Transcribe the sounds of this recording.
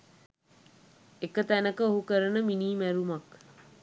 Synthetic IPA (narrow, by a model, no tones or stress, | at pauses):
ekət̪ænəkəoɦukəɾənəminiːmæɾumak